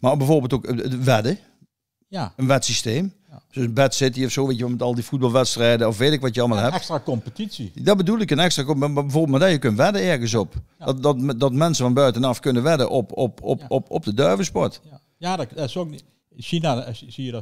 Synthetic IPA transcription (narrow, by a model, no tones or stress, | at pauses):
mabɛvorbɪːlˠtokəʋɛdə | ənʋɛtsisteːm | soəbɛtsɪtiɔfsoːʋeːtjəʋɔmɛtɑlˠdifut̚bɑlˠʋɛtstrɛjdəɔfʋeːtɪkʋɑtjəɑlˠmalˠɦɛpstrakɔmpətisidɔbədulˠɪkənɛkstrakbɛoːbɪmadajəkønʋɛdəɛɹɣəns̬ɔp | ɔdɔtdɔtmɛnsəvɔnbœɥtənɑfkønəʋɛdəʔɔpɔpɔɔpɔ̰p̚dədœɹvəspɔɹt | jadso | sinasijə